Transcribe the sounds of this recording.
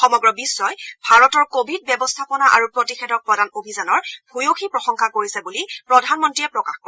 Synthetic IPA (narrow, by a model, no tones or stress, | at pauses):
xɔmɔɡɹɔbisːɔjbʱaɹɔtɔɹkobʱid̚bjɛbɔstʰapɔnaʔa̰ɹupɹotixedɔk̚pɹɔdanobʱizanɔɹb̥ʱujoxipɹɔxɔŋkʰakoɹisɛbulipɹɔdʱanmɔntɹijɛpɹɔkaxko